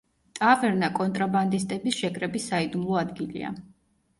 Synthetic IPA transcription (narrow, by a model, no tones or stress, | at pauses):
t̪ʼavɛɾnakʼɔnt̪ʼɾaband̪is̬t̪ʼɛbisʃɛkʰʼɾɛbisːaid̪umlˠɔad̪ɡilḭa̰